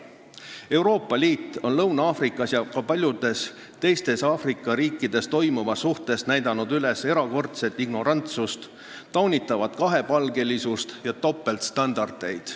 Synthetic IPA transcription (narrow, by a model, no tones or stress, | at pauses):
e̞uwɾo̞ːpːˑɑliːt̪ːˑo̞nlɤwnɑɑːfrikːˑɑsjɑkɑpɑlʲjud̪̥e̞s | t̪e̞jst̪e̞sɑːfrikːˑɑɾiːkːˑid̪̥e̞st̪o̞jmuvɑsuht̪e̞snæjd̪̥ɑnud̪yle̞se̞ɾɑko̞rt̪se̞t̪ːˑiɡ̥no̞ɾɑnt̪sust̪ | t̪ːɑwnʲit̪ːˑɑvɑd̪̥kɑɦe̞pɑlɡe̞lisust̪jɑt̪o̞pːˑe̞lt̪st̪ɑnd̪̥ɑrd̪̥e̞jd̪̥